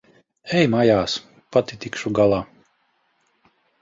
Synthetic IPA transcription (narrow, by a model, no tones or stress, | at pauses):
ɛjmajaːs | pat̪it̪ikʃuɡalˠaː